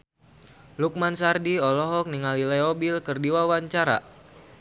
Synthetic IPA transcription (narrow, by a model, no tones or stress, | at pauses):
luk̚mansardiɔlɔɦɔk̚niŋalilɛobilkɨrdiwawaɲt͡ʃaɾa̰